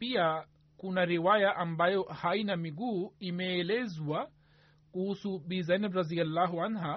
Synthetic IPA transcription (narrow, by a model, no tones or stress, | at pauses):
ia | kunaɾiwajaʔambajɔhainamiɡuːimɛːlɛzwa | kuhusuɓizajnɛbɾazialːaɦuanɦa